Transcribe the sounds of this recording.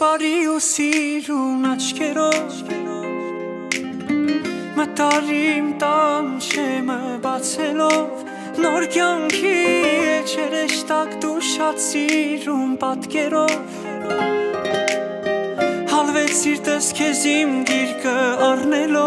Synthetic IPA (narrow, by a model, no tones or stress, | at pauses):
pɑɾiusiɾunɑt͡ʃʰkʰɛɾɔv | mət̪ɑɾimt̪ɑmʃɛməbɑt͡sʰɛlɔv | nɔɾkjɑŋkʰiɛt͡ʃʰɛɾɛʃt̪ɑkd̪uʃɑt̪t͡sʰiɾumpɑt̪kɛɾɔv | hɑlvɛt͡sʰiɾt̪əskʰɛzimɡiɾkəɑrnɛlɔ